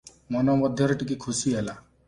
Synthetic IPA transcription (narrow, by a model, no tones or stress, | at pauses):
mɔnɔmɔd̪ʱjɔɾɔʈik̬ikʰusiɦela